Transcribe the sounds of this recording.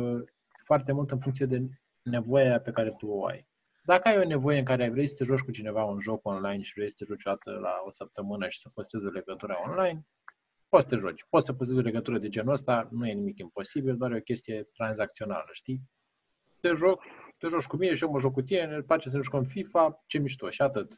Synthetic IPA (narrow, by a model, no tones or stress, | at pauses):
foart̪e̞mult̪ɨnfuŋt̪sijed̪e̞ | ne̞vo̞jape̞kaɾe̞t̪uoa̰j | d̪akəajo̞ne̞vo̞jeɨŋkaɾe̞ajvɾejsə̥t̪e̞ʒo̞t͡ʃʲkut͡ʃine̞vaunʒo̞ko̞nlajnʃivɾejsə̥t̪e̞ʒot͡ʃod̪at̪ə̰la̰o̞səp̚t̪əmɨnəʃi̥sə̥post̪e̞zole̞ɡət̪uɾaonlajn | pot̪sə̥t̪eʒot͡ʃʲpot̪səp̬ost̪ezole̞ɡət̪uɾəd̪e̞d͡ʒe̞nəst̪anuje̞nimikimpo̞sibild̪oaɾjeo̞kʲe̞st̪ije̞t̪ɾanzak̚t̪siona̰ləʃt̪i | t̪e̞ʒokt̪e̞ʒoʃkumine̞ʃijoməʒokːut̪ine̞nepat͡ʃes̬əneʒukɨnfifat͡ʃe̞miʃt̪o̞ʃat̪ɨt̪